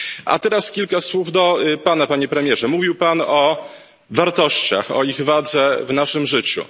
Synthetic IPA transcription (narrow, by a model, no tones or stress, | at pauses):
ʔa̰t̪ɛɾaskʲilkaswuvd̪ɔpanapaɲɛpɾɛmʲjɛʐɛmuvʲiwpanɔ | vaɾt̪ɔɕt͡ɕa̰xɔ̰iɣvad̪zɛvnaʂɘmʐɘt͡ɕṵ